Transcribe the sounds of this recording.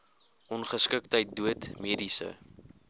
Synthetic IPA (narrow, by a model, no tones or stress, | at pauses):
ʔɔnχəskək̚təjt̚duətmiədisə̰